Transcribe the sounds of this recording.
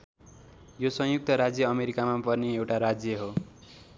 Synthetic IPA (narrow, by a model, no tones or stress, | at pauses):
josʌ̃ɦjuk̚t̪ʌɾad͡zjʌʌmeɾikamapʌrneewʈaɾad͡zjʌɦo